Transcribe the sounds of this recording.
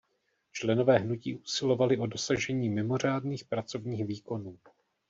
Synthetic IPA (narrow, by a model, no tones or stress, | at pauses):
t͡ʃlɛno̞vɛːɦnucḭːʔusɪlo̞valɪʔo̞do̞saʒɛɲiːmɪmo̞r̝aːdniːxpɾat͡so̞vɲiːxviːko̞nuː